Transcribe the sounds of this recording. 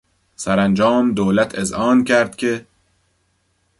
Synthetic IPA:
sæɾænd͡ʒɒːmd̪oːlæt̪ʰezhɒːncʰæɾd̪̥cʰe

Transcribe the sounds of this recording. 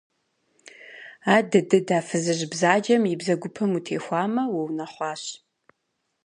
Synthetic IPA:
aːdɨdɨdaːfɨzɨʑbzaːd͡ʒɐmjɪbzɐɡʷʊpʰɐmutʰḛːxʷɑːmɐwɐwnɐχʷɑːɕ

